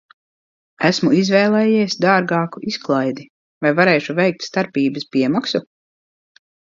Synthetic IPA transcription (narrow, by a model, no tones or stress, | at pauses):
æsmuizvɛːlˠɛːjiɛsʲd̪aːɾɡɑːkuʔisklˠajd̪i | vajvaɾɛːʃuvɛjk̚t̪st̪aɾpiːbəspʲiɛmaksu